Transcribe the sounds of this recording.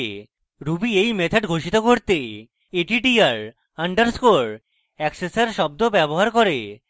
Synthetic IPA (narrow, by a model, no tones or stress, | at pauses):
ɾubiejmet̪ʰeɖɡʱoʃit̪okoɾt̪e | eʈiʈiaɾ | aɳɖaɾskoɾ | ɛksesaɾʃɔb̚d̪obɛboɦaɾkoɾe